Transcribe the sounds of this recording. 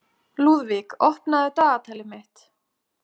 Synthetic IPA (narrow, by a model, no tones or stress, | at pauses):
luːðvikɔhpnaðɪt̪aːɣat̪ʰaːlɪmɪht̪